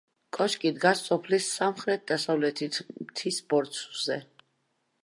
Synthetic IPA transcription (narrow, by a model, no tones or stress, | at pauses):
kʼɔʃkʼid̪ɡasːɔpʰlisːamχɾɛt̪̚d̪̥asavlɛt̪ʰit̪ʰmt̪ʰisbɔɾt̪sʰzɛ